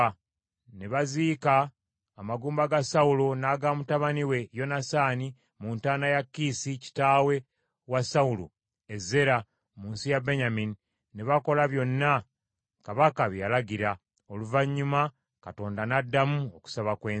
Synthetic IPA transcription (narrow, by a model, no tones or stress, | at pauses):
neβaziːkaː | maɡuːmbaɡasaulo̞naːɡaːmutaβaniwe̞jo̞nasaːni | muntaːnajakːisici̥taːwe̞ | wasaulo̰ | e̞zːe̞ɾa | muːnsijabeɲamini | neβako̞laβjo̞nːa | kaβakaβjalaɡiɾa | oluvaɲːuma | kato̞ːndanadːamuoku̥saβakweː